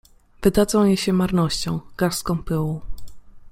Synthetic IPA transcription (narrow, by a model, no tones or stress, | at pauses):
vɘd̪ad̪zɔ̃w̃jeɕɛmaɾnɔɕt͡ɕɔ̃w̃ɡ̥aɾskɔ̃w̃pɘwɔ̃